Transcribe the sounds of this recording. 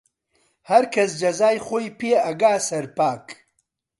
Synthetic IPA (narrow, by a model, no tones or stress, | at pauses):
hɐɾkʰɐs̬d͡ʒɐzaːjχoːjpeːɐɡaːsɐɾpaːk